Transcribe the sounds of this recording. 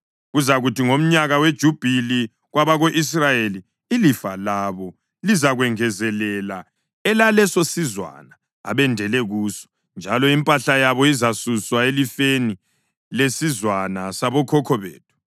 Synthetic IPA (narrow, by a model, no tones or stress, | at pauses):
ɣuzaɣutiŋom̩ɲaɣawed̥ʒ̥ʱub̥ʱili | ɣwaβaɣoʔis̬rajeliː | lifalaβɔ | lizaɣwɛŋɛzɛlɛla | ɛlalɛsosizwa̰na | a̰βɛndʱɛlɛɣuːsɔ̥ | nd͡ʒʱalɔimpʼaɬajaβɔizasuswaelifeni | lesizwanasaβɔkʰɔkʰɔβḛːtʰu̥